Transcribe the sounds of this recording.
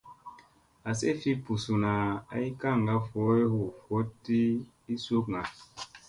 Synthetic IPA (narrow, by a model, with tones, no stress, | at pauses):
a˨se˦fi˦pu˨su˨na˨a̰˦i˦ka˦˨ŋ˨ɡa˦fo˨˦e˦ho˨fo˦ti˦ | i˦so˦kŋa˨